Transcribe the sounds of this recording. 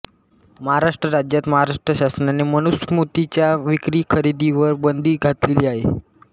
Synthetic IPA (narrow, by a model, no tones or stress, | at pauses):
məɦaɾaʂʈɾəɾad͡ʑjat̪məɦaɾaʂʈɾəɕasənaneməñusmut̪it͡ɕjaʋikɾiːkʰəɾid̪iʋəɾbənd̪ʱiːɡʱat̪leliːaɦe